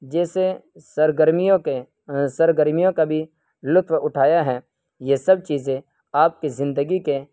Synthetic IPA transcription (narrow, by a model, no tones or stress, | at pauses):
d͡ʒɛːsesəɾɡəɾmijõke | səɾɡəɾmijõkabʱi | lʊt̪ʰwʊʈʰaːjaɦɛː | jesɐbt͡ʃiːzẽ | aːp̚kizɪ̃nd̪əɡike